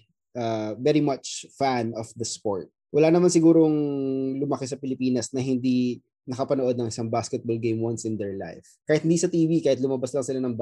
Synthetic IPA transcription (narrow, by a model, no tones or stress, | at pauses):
ʔavɛɾimɐt͡ʃfanɔfd̪ɐspoɹt̪̚wʔɐlanɐmansɪɡuːɾoŋlʊmɐkɛsɐpɪlɪpiːnɐsnɐɦɪnd̪i | nɐkɐpɐnoʔo̞d̪̚nɐŋʔɪsaŋbaskɛt̪̚bolɡejmwɐnsɪ̃nd̪ɛɹla̰jfkaːhɪt̪̚ɪnd̪isɐt̪iːvikaːhɪt̪̬̚lʊmɐbaslɐŋsɪlanɐŋ